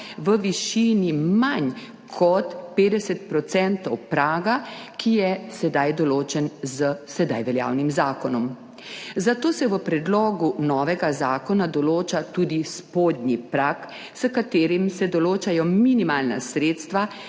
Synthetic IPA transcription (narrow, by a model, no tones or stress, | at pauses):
ʋəʋiʃiːnimaɲ | kʰɔt̪peːd̪ɛsɛt̪̚pɾɔt̪sɛnt̪ɔwpɾaːɡakijɛsɛd̪ajd̪ɔloːt͡ʃɛnzəsɛd̪a̰jʋɛlja̰wnimzaːkɔnɔm | zat̪oːsɛʋəpɾɛd̪lɔɡunɔːʋɛɡazaːkɔnad̪ɔloːt͡ʃat̪uːd̪ispoːd̪nipɾak | səkat̪eːɾimsɛd̪ɔloːt͡ʃajɔminimaːlna̰sɾeːt̪st̪ʋa